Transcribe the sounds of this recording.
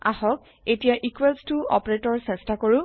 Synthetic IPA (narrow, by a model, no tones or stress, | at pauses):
a̰hɔk̚ | etijaʔikwelstuɔpɹetɔɹsɛstakoɹʊ̃